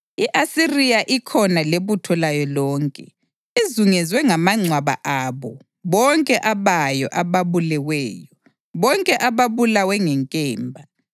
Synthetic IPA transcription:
iʔasirijaʔikʰɔnaleβutʰɔlajɔlɔːŋkʼɛ̰ | izuŋɛzwɛŋamaŋ͡ǀʱwaβa̰ʔaβɔ | βɔŋkʼɛʔaβajɔ̰ʔaβaβulɛwɛːjɔ | βɔŋkʼɛʔaβaβulawɛŋɛŋkʼɛːmbʱa

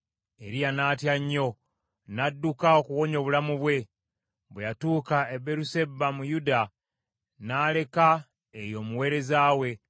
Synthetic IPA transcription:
e̞ɾijanaːtjaɲːo̞ | nadːukao̞kuwo̞ɲo̞βulamuβwe̞ | βwejatuːkaebeɾuse̞bːamujuda | naːle̞ka | ejo̞ːmuwe̞ːɾe̞zaːwe̞

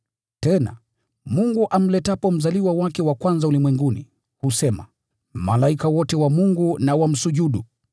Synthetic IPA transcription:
tɛna̰ | muŋɡuʔam̩lɛtapɔm̩zaliwawakɛwakwanzaulimwɛŋɡunḭ | husɛma | malaikawɔtɛwamuŋɡunawam̩suʄuɗu

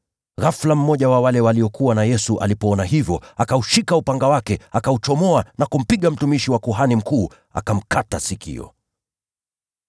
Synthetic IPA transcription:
ɾaflam̩mɔʄawawalɛwaliɔkʰuwanajɛsuʔa̰lipɔɔnaɦivjɔakauʃikaupaŋɡawakɛakaut͡ʃɔmɔanakum̩piɠam̩tumiʃiwakuɦanim̩kuː | a̰kam̩kʰatasikʰḭɔ̰

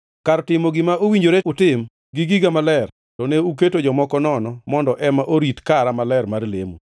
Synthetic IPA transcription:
kaɾtɪmoɡɪmaʔowiɲd͡ʒoɾeʊtɪm | ɡɪɡiɡamalɛr | tɔneuk̬etod͡ʒɔmɔkɔnɔnɔmɔndɔʔɛmaʔoɾitkaɾamalɛrmarlḛmṵ

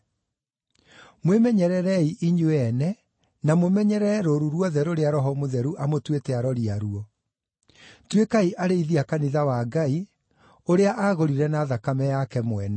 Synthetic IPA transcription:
mwemɛɲɛɾɛɾɛiʔiɲoɛnɛ | namomɛɲɛɾɛɾoɾuɾwɔðɛɾoɾeaɾɔɦɔmoðɛɾuʔamotwetɛaɾɔɾiaɾuɔ | twekaiʔaɾeiðiakaniðawaɡai | oɾeaʔaɣoɾiɾɛnaːðakamɛjakɛmwɛnɛ

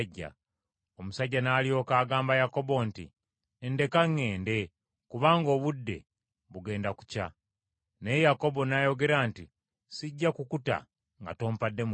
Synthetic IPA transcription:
ɟːa̰ | o̞musaɟːanaːlio̞ːkaːɡaːmbajako̞bontḭ | ende̞kaŋːe̞ːnde̞ | kuβaːŋɡo̞ːβudːe̞̰ | βuɡe̞ːndaku̥ca̰ | nejejako̞bo̞najo̞ɡe̞ɾanti | siɟːakukuta̰ | ŋɡa̰to̞ːmpadːe̞m

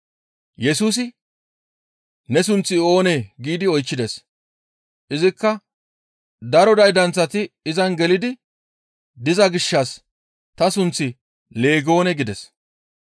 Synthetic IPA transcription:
jɛsuːs̬ɪ | nɛs̬ʊnt͡sːɪo̞ːneɡiːd̪ɪɔjt͡ʃːɪd̪ɛs | ʔɪzɪkːɐ | d̪ɐɾɔd̪ɐjd̪ɐnt͡sːɐt̪ɪɪzɐnɡɛlɪd̪ɪ | d̪ɪzɐɡɪʃːɐs | t̪ɐsʊnt͡sːɪ | le̞ːɡo̞ːnɛɡɪd̪ɛs

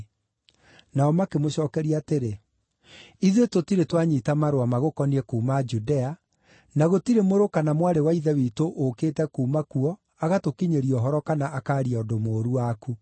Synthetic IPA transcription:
naɔmakemoɕɔːkɛɾiaːteɾe | iðwetotiɾetwaɲitamaɾowamaɣokɔniɛkuːmad͡ʒudɛa | naɣotiɾemoɾokanamwaɾewaiðɛwitoʔːkeːtɛkuːmakuɔ | aɣatokiɲeɾiɔɦɔɾɔkanaʔakaːɾiaɔdomoːɾuwaku

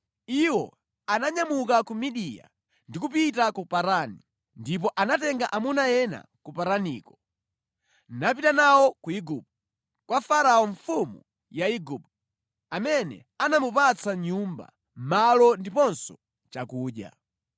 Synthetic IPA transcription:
iwɔ | anaɲamuk̬akumiɗija̰ | ndikupitakupaɾani | ndip̬ɔʔanatɛŋɡaʔamunajɛna̰kupaɾanḭːkɔ | nap̬itanawɔkuiɡub̚ | kwafaɾaɔɱfumṵ | jaiɡub | amɛnɛ̰ | anamupat͡sʰaɲumba̰ | malɔndipɔnsɔ | t͡ʃakuːɗa̰

